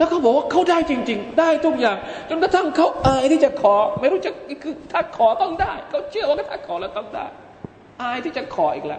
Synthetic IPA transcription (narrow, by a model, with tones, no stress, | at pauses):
nɔ˨˦xə˧wŋ͡mɓo˨˦a˧kʰə˧wɗaː˧jt͡ɕï˧˩ŋt͡ɕï˨˩ŋ̟ɗaː˧˩jt̪ʰu˧˩zaː˨˩ŋt͡ɕʊ˨˦ŋ͡mt̪ɔː˨˦˥t̪ʰa˧˩ŋkə˧˩wʔaː˧jt̪ʰi˨˦t͡ɕaː˧˩xʰɔ˨˩˦mə˨˦jɗu˨˧˦t͡ɕa˧˦˨kɨ˨˦t̪ʰaː˧˩xɔ˨˦t̪ɔ˧ŋ˧t̪aː˧˩˨jkɔ˨˦t͡ɕi˧˨əwkaː˨˦jt̪ʰaː˧˥˩kʰɔ˨˦laː˨˩t̪ɔ˧˩ŋza̰ː˧˩j | ʔaː˧jt̪ʰi˨˦t͡ɕa˧˩xʰɔ˨˩ḭ˧˩k̚la̰ː˧˨